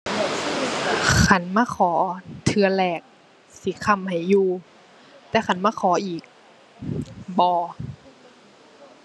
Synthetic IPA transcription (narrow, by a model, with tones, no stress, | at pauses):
kʰa˧˩˨nmaː˧˥˨kʰɔː˨˩˦t̪ʰɯ˧ɐ˧lɛː˧˩k̚ | si˨˦kʰa˧˨mha˨˩jːuː˧ | t̪ɛː˧kʰa˧˩˨nmaː˧˥˨xʰɔː˨˦ʔiː˨˩k̚ | bɔː˧˦